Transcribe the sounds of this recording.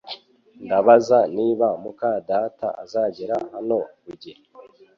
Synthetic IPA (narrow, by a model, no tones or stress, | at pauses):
ndaβazaniːβamukadataʔa̰zaːɟeɾahano̞βuɟiɾ